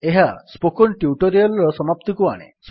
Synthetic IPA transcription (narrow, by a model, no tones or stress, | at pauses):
eɦaspokɔnʈjuʈoɾialɾɔsɔmapt̪ɔkua̰ɽ̃ḛs